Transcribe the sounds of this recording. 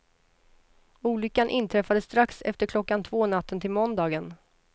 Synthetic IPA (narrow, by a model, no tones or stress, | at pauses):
uːlʏkːanʔɪnt̪ʰɾɛfad̪əst̪ɾaksɛ̰ft̪əɾkʰlɔkːant̪ʰvoːnat̪ʰːənt̪ʰɪlmɔnd̪ɑːɡən